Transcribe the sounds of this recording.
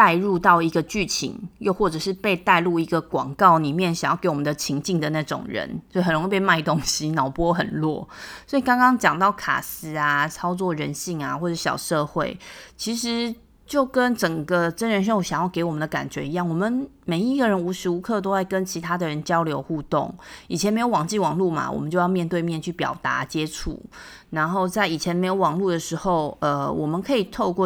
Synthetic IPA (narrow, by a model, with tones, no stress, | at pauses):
t̪a˥˧ɪɻu˥˧t̪ɑ˥˩ʊi˧˥ɡə˧t͡ɕy˥˩t͡ɕʰḭ˧˥ŋjo˥˧ʊxwɔ˥˩ʈ͡ʂɤ˨˩ʂɻ̩˥˧pe˥˧ɪt̪a˥˧ɪlu˥˩i˧˥ɡə˨kwɑ̰˨˩ŋkɑ˥˩ʊli˨˩mjɛ˥˨˩nɕjŋjɑ˥˩ke˧˥ɪwɔ˨mə˨nd̪ə˩t͡ɕʰi˧˥ŋt͡ɕi˥˩ŋd̪ə˩na˥˩ʈ͡ʂʊ̰˨˩ŋɻə̰˧˦nsɦə˨˩nɻo˧˦ŋi˥˩pe˥˧ma˥˩ɪt̪o˥ŋɕi˦nɑ˨˩ʊpwɔ˥˦ɦə̰˨˩nlwɔ˥˩sswɔ˧˥i˨kɑ˥ŋkɑ˥ŋt͡ɕjɑ˨˩ŋt̪ɑ˥˩ʊkʰa̰˨˩s̩˧˥a˧t͡sʰɑ˥ʊt͡swɔ˥˩ɻə˧˦nɕi˥˩ŋa˨xwɔ˥˩ʈ͡ʂɕjɑ̰˨˩ʊʂɤ˥˧xwe˥˩ɪt͡ɕʰi˧˥ʂɻ̩˧˦ | t͡ɕjo˥˩ʊkə˦˥nʈ͡ʂə˨˩ŋɡə˨ʈ͡ʂə˦˥nɻə˧nʂɻə˥o˨˩ɕjɑ˨ŋjɑ˥˩ŋke˧˥ɪwɔ˨˩mə˨nd̪ə˧ka̰˨˩nt͡ɕɥɛ˧˦i˧˦jɑ˥˩ŋwɔ˨˩mə˨nme˨˩ɪi˧˦ɡə˨ɻə˧˦nu˧˥ʂɻ̩˧˥u˧˥kʰɤ˥˨t̪o˥ʊa˥˩ɪkə˦nt͡ɕʰi˧˥t̪ʰa˥d̪ə˨ɻə˧˦nt͡ɕjɑ˥ʊljo˧˥ʊxu˥˧t̪o̰˥˩ŋi˨˩t͡ɕʰjɛ˧nm˧˥ɪo˧˦wɑ˨˩ŋt͡ɕi˥˩wɑ˨˩ŋlu˥˩ma̰˩wɔ̰˨mə˨nt͡ɕjo˥˧jɑ˥˧mjɛ˥˧nt̪we˥˧ɪmjɛ˥˧nt͡ɕʰy˥˩pjɑ̰˨˩ʊt̪a̰˧˥˦t͡ɕjɛ˥ʈ͡ʂʰṵ˨˩na˧˦nxo˥˧ʊt͡sa˥˩ɪi˨˩t͡ɕʰjɛ˧˦nme˧˥ɪjo˧˦wɑ˨˩ŋlu˥˩d̪ə˩ʂɻ̩˧˥xo˥˩ʊə˨wɔ˨˩mə˨˦nkʰɤ˧˥i˨˩t̪ʰo˥˧ʊkwɔ˥˨